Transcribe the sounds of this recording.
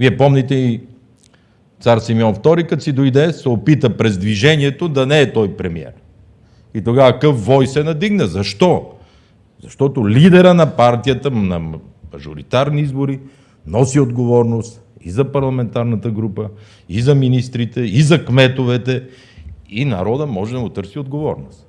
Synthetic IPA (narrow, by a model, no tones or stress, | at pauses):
viɛpɔmnit̪ɛi | t̪saɾsimiɔnft̪ɔɾikɐt̪sid̪ojd̪ɛsɛopit̪əpɾɛzd̪viʒɛniɛt̪od̪ɐnɛːt̪ɔjpɾɛmiɛ̰ɾ | it̪oɡavɐkəfːɔjsɛnɐd̪iɡnəzɐʃt̪ɔ | zɐʃt̪ɔt̪olid̪ɛɾənɐpaɾt̪ijət̪ənɐ̰ | mɐʒoɾḭt̪aɾniizboɾi | nɔsiod̪ɡovɔɾnost̪ | ḭzɐpɐɾlˠɐmɛnt̪aɾnɐt̪əɡɾupə | izɐminist̪ɾit̪ɛizɐkmɛt̪ovɛt̪ɛ | inɐ̰ɾɔd̪əmɔʒɛd̪ɐɡʊt̪ɤɾsiod̪ɡovɔ̰ɾnost̪